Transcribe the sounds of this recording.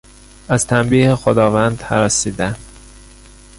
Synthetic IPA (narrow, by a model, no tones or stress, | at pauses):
æz̥t̪ʰæmbiːhexod̪ɒːvænd̪hæɾɒsiːd̪æn